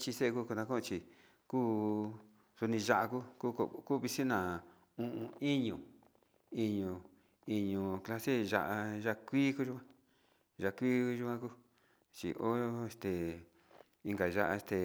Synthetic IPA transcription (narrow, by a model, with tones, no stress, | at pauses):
t͡ʃi˧se˦e˧ku˦˧ku˧nã˧kũ˦˧t͡ʃi˧ | kuː˦ | su˧nĩ˧ʒa˧ʔa˧ku˦ku˦kku˦βi˧si˦nã˨ | ũ˧ʔũ˧i˦ɲũ˨ | i˧ɲũ˧ | i˧ɲũ˧kla˧se˦ʒa̰˧ʔa˧ʒa˦˧kʷiː˦ku˦ʒu˦kã˦ | ʒa˧˨˧kʷiː˦˧ʒu˧˦ã˧ku˦ | t͡ʃḭ˨ʔo˦e˧st̪e˨ | i˧ŋɡa˨ʒa̰˧ʔa̰˧e˧st̪e˨